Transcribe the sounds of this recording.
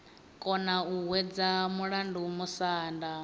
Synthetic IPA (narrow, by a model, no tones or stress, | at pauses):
kʼɔnauɦwɛd͡zamuɺandumusaːnda